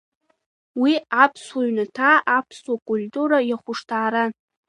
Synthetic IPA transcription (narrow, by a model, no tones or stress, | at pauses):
wiapʰswaɥnatʰaʔapʰswakʼultʼuɾajaχʷʊʂtʰaːɾa